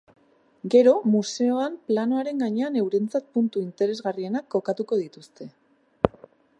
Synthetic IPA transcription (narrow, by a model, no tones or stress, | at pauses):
ɡe̞ɾo̞muse̞o̞amplano̞aɾe̞ŋɡaɲe̞ane̞wɾe̞nt͡sat̪̚punt̪uint̪e̞ɾe̞zɣarie̞nakːo̞kat̪uko̞ð̞it̪ust̪e̞